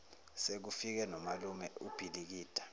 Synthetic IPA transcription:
sek̬ufik̬ɛnɔmalumɛub̥ʱilik̬iːd̥ʱḁ

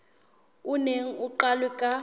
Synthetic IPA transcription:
uneŋ̩uǃalwɛkʼa

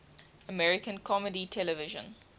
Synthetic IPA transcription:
əmɛɹɪkə̃nkʰɔməditʰɛləvɪʒə̰̃n

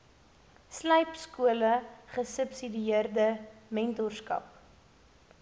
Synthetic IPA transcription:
sləjpskuələχəsəpsidiiərdəmɛntɔrskɐ̰p̚

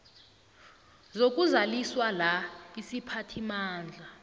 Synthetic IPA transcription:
zok̬ʼuzaliswalaisipʰatʰimaːnd͡ɮʱa

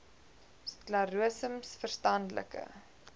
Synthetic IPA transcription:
sklɐɾuəsəmsfərstɐndlə̰kə̰

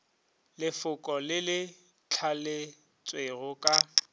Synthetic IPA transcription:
lɪfʊkʼɔlɪlɪ | t͡ɬʰalɪ | t͡sʼweɣʊkʼa

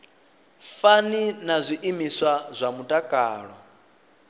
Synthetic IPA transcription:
faninazʷiʔimiswazʷamutʼakʼaːɺɔ

